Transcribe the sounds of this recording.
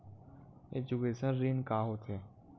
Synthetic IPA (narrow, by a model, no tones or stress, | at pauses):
ḛd͡ʒukeːsənɾiːnkaːɦot̪e